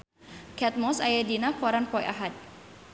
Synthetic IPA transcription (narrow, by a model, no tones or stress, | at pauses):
kɛt̪̚mɔsajadinakɔɾanpɔjʔaɦat̪̚